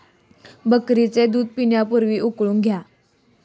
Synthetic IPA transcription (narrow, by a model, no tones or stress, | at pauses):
bəkɾit͡sed̪uːd̪̚piɳjapuɾʋiːʔukɭuːŋɡʱja